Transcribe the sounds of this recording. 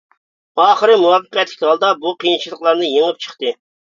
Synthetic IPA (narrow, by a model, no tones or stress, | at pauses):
ɑːχəɾɨmuwɑːfəqɛt̪lʲɪ̥kʲɑlˠd̪ɑbuqʰijint͡ʃʰilˠəqlˠɑɾnɨjeŋɨp̚t͡ʃʰə̥χt̪ɨ